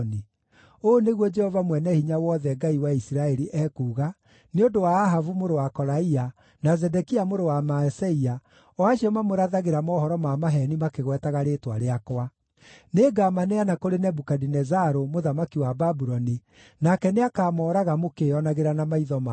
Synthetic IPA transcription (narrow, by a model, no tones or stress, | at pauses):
ni | oneɣwɔd͡ʒɛhɔvamwɛnɛhiɲawɔðɛɡaiwaisiɾaɛɾiʔɛkuːɣa | neondowaːɦavumoɾowakɔɾaia | nazɛdɛkiamoɾowamaɛsɛia | ɔaʃiɔmamoɾaðaɣeɾamɔhɔɾɔmamaɦɛnimakeɣwɛtaɣaɾeːtwaɾeakwa | neɡamaneanakoɾenɛbukadinɛzaɾomoðamakiwababuɾɔni | nakɛneakamɔːɾaɣamokeɔnaɣeɾanamaiðɔma